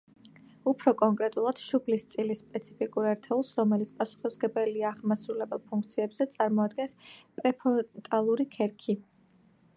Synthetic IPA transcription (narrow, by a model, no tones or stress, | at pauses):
upʰɾɔkʼɔŋkʼɾɛt̪ʼulˠad̪̥ʃupʰlist̪sʼilispʼɛt̪sʰi̥pʰikʼuɾɛɾt̪ʰɛulˠsɾɔmɛlit̪spʼasu̥χisɡɛbɛliaːʁmasɾulɛbɛlˠpʰuŋk̚ʰt̪sʰiɛbzɛt̪sʼaɾmɔad̪ɡɛnspʼɾɛpʰɔt̪ʼalˠuɾikʰɛɾkʰi